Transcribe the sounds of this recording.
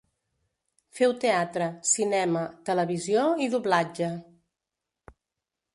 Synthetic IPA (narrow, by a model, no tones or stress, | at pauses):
fɛwt̪eat̪ɾəsinɛmət̪ələβizijoiðuβlad͡ʒə